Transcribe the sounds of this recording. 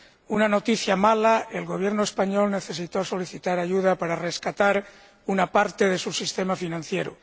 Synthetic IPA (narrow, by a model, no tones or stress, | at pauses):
unano̞t̪iθjamalae̞lɣo̞β̞je̞ɾnoe̞spaɲo̞lne̞θe̞s̬it̪o̞so̞liθit̪aɾaʝuðapaɾare̞skat̪aɾ | unapaɾt̪e̞ðe̞susist̪e̞mafinãn̟θje̞ɾṵ